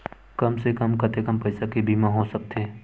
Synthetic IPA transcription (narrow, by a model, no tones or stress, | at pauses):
kɐmsekəmkɐt̪ekəmpɐɪsakibʱiːmãɦoːsɐk̚t̪ʰeː